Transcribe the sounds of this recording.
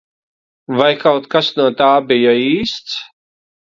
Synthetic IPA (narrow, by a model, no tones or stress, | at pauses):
vajkawt̪kasnuɔt̪aːbijaiːst̪s